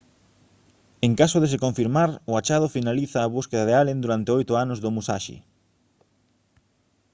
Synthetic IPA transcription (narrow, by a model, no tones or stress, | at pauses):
eŋkasʊðesekoɱfiɾmaɾʊat͡ʃaðʊfinaliθaːβuskeðaðealend̪uɾant̪eojt̪ʊanʊzðʊmusaʃḭ